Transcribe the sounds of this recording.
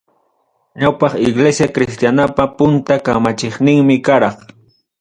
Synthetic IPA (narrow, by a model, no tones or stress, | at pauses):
ɲawpɑχɪɡlesjakɾɪst̪janapapʊnt̪akamat͡ʃɪχnɪŋmɪkaɾɑχ